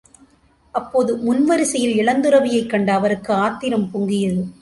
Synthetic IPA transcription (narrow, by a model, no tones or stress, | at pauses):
ʔɐpːoːðɯmʊnʋɐɾɪsɐjɪlɪɭɐnd̪ɯrɐʋɪjɐɪkːɐɳɖaːʋɐɾɯkːɯaːt̪ːɪɾɐmpʊŋɡɪjɐðɯ